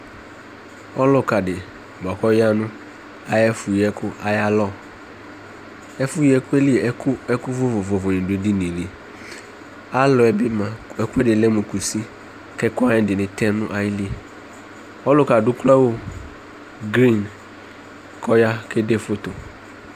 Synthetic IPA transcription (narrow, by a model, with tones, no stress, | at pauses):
ɔ˦lʊ˨ka˨dɪ˨ | bɔ˨kɔ˦ja˦nʊ̃˦ | a˨jɛ˦fʊ˨jɛ˦kʊ˦a˨ja˦lɔ˦˨ | ɛ˦fʊ˦jɛ˦kʊ˦ɛ˦li˦e˨ɛ˦kʊ˦ɛ˦kʊ˦vʊ˦vʊ˨vʊ˨vʊ˨nɪ̃˨de˨di˦nĩ˨li˦ | a˦lɔ˨ɛ˨bɪ˦mã˨ɛ˨ku˦ɛ˦dɪ˨lɛ˦mʊ̃˨ku˨si˦ | kɛ˦kʊ˦a˦ɪ̃˦˨˦dɪ˨nɪ̃˨tʰɛ˦nʊ̃˦ʔa˦jɪ˦li˦˨ | ɔ˦lʊ˦ka˨dʊ˦kla˦wo˦ | ɡɾi˦˨n | kʰɔ˦ja˦kʰe˦de˦fʊ˦tʊ˨